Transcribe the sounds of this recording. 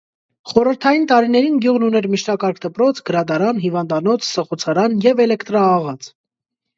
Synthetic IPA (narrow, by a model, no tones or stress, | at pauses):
χɔɾəɾt̪ʰɑjint̪ɑɾinɛɾinɡjuʁnunɛɾmiʃʰnɑkɑɾkʰd̪əpɾɔt͡sʰɡəɾɑd̪ɑɾɑnɦivɑnd̪ɑnɔt͡sʰsəχɔt͡sʰɑɾɑnjɛvɛlɛkt̪ɾɑːʁɑt͡s